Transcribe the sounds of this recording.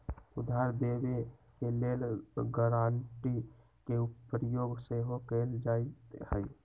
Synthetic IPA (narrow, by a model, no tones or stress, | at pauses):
ud̪ʱaɾd̪ebekelelɡəɾaɳʈi | keupəɾjoɡseɦokəld͡ʒait̪həj